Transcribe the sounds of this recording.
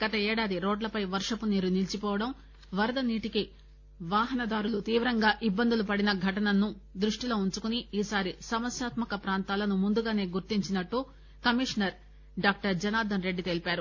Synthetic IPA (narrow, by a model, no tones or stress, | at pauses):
ɡ̥ɐt̪ɐɛːɽaːd̪iɾoːɖlɐpɐjʋɐɾʂɐpuniːɾunilt͡ʃipɔːʋɐɽɐm | ʋɐɾɐd̪ɐniːʈiki | ʋaːɦɐnɐd̪aːɾulut̪iːʋɾɐŋɡaːʔibːɐnd̪ʱulupɐɽinɐɡʱɐʈɐnɐnːud̪ɾuʂʈilo̞ːuɲt͡ʃukuniiːsaːɾisɐmɐsjaːt̪mɐkɐpɾaːnt̪aːlɐnumund̪uɡaːne̞ːɡuɾt̪iɲt͡ʃinɐʈːu | kɐmiʂnɐɾ | ɖaːk̚ʈɐɾd͡ʒɐnaːd̪ʱɐnɾe̞ɖːit̪e̞lipaːɾu